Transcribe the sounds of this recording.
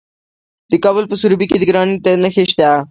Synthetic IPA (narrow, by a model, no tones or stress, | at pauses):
d̪̥əkabəlpəsuɾbiked̪əɡɾɑnit̪anəxeʃt̪a